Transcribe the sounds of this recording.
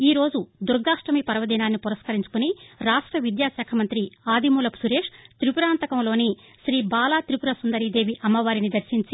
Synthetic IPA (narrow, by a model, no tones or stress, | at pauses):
iːɾo̞ːd͡ʒud̪uɾɡaːʂʈɾɐmipɐɾɐʋɐd̪iːnaːnːipuɾɐskɐɾiɲt͡ʃu̥kuniɾaːʂʈɾɐʋid̪jaːʃɛːkʰɐmɐnt̪ɾiaːd̪imuːlɐpsuɾeːʂt̪ɾipuɾaːnt̪ɐkɐmlo̞ːni | ʃɾiːbaːlaːt̪ɾipuɾɐsund̪ɐɾid̪e̞ːʋiʔɐmːɐʋaːɾinid̪ɐɾʃiɲt͡ʃi